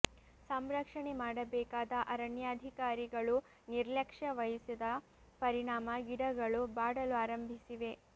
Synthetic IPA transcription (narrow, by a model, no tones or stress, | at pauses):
sɐmɾɐkʂɐɳemaːɽɐbɛːkaːd̪ɐʔɐɾɐɳjaːd̪ʱikaːɾiɡɐɭu | niɾlɐkʂɐʋɐjɐsid̪ɐ | pɐɾiɳaːmɐʋiɽɐɡɐɭubaːɽɐluaːɾɐmbʱisiʋe̞